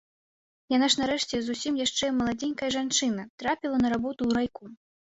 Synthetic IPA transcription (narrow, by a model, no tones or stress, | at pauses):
janaʂnaɾɛʂt͡sʲɛzusʲimjaʂt͡ʂɛmɐlˠad͡zʲɛnʲkɐjɐʐant͡ʂɨn̪ɐt̪ɾapʲilˠɐnɐɾabɔt̪uːɾajku